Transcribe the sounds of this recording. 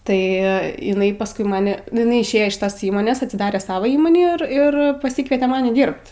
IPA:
tɐɪ ɪˈnɐɪ pɐsˈkʊɪ ˈmɑːnʲɪ nʊ ɪˈnɐɪ ɪʃʲˈeːjoː ɪʃ ˈtɐs ˈiːmoːnʲeːs ɐtʲsʲɪˈdɑːrʲɛ ˈsɑːʋɐ ˈiːmoːnʲɪ ɪr ˈɪr pɐˈsʲiːkʋʲiɛtʲɛ ˈmɑːnʲɪ ˈdʲiːrpt

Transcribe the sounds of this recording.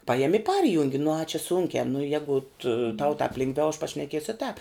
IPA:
ˈpɑːjɛmʲɪ ɪ ˈpɐrʲjʊŋʲɡʲɪ nʊ ɐ t͡ʃʲɛ ˈsʊŋʲkʲæː nʊ ˈjæːɡʊt tɐʊ tɑːp ˈlʲɪŋɡˌʋʲɛʊ ɐʃ pɐʃʲnʲɛˈkʲiɛsʲʊ ɪ tɑːp

